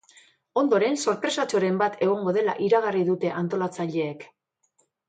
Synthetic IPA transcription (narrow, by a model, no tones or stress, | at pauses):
o̞nd̪o̞ɾe̞nso̞ɾpɾe̞sat͡ʃo̞ɾe̞mbat̪e̞ɣ̞o̞ŋɡo̞ð̞e̞la̰ʔiɾaɣ̞ariðut̪e̞ʔant̪o̞lat͡saʎe̞ːk